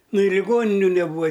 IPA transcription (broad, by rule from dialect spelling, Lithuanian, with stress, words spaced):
ˈnʊ ɪ lʲɪˈɡoːnʲɪnʲʊ nʲɛˈbuːʋɐ